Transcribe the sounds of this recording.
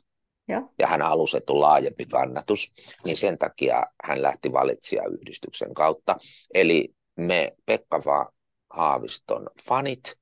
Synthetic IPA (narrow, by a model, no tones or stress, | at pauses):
jɑ̰hænhɑlust̪et̪ːulɑːjempikɑnːɑt̪usninsent̪ɑkiɑ̰hænlæht̪iʋɑ̰lit̪siɑ̰y̰hdist̪yksḛŋkɑut̪ːɑeli | mepekːɑʋɑ̰ː | hɑːʋḭst̪o̰nfɑnit̪